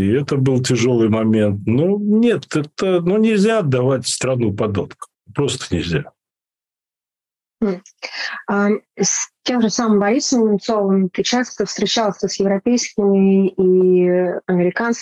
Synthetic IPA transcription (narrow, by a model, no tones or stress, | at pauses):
iɛt̪əbɨlˠtʲɪʐo̞lˠɨjmɐmʲe̞nt̪nunʲe̞t̪ɛt̪ənunʲɪlʲzʲaɐd̪ːɐvatʲst̪ɾɐnupɐd̪o̰t̪kə̥ | pɾo̞st̪ə̥nʲɪlʲzʲa | asʲtʲe̞mʐɨsamɨmbɐɾʲisəmʲɪnt̪sovəmt̪ɨt͡ɕast̪əfst̪ɾʲɪt͡ɕalˠsʲəsjɪvɾɐpʲejskʲɪmʲɪi | ɐmʲɪɾʲɪkans